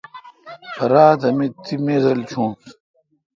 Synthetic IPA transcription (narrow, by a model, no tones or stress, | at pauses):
pɐɾaːt̪ɐmit̪ʰːimeːzɐlt͡ɕʰũː